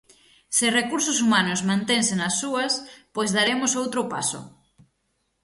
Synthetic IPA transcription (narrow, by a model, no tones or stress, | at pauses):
sɪrekuɾsʊsumanʊzmãnt̪eŋsenɐsːuɐspojzðaɾemʊsowt̪ɾʊpa̰sʊ̰